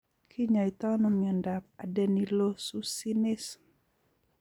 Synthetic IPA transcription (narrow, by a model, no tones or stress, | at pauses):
kʰiɲait̪anɔməndap̚adɛnilosusinis